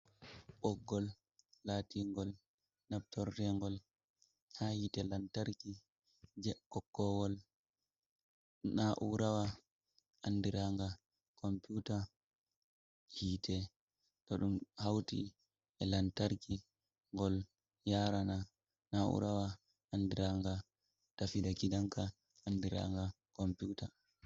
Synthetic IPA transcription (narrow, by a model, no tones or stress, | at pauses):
ɓɔɡːɔlː | atiŋɡɔl | nap̚tɔɾdɛŋɡɔl | hahitɛlantaɾki | d͡ʒɛkɔkːɔwɔl | naʔuɾawa | ʔanːdiɾaŋɡa | kɔmpjuta | hiːtɛ | tɔɗumhawtḭ | ɛlantaɾki | ŋɡɔl | jaɾana | naʔṵɾawa | andiɾaŋɡa | tafidakidaŋkaː | ndiɾa̰ŋɡa | kɔmpuːta